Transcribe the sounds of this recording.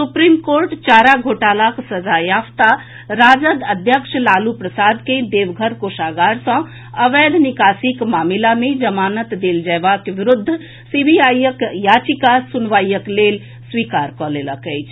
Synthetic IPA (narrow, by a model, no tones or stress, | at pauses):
supɾimkoɾʈt͡ʃaɾaɡʱoʈalaksəd͡ʒajapʰt̪a | ɾad͡ʒəd̪əd̪ʱjəkʃlalupɾəsad̪ked̪eʋɡʱəɾkoʃaɡaɾsə̃ | əʋɛd̪ʱnikasikmamilamed͡ʒəmanət̪d̪eld͡ʒajbakʋiɾud̪ʱː | sibʱijajəkjat͡ʃikasunʋaijəklel | sʋikaɾkɔleləkəjt͡ʃʰ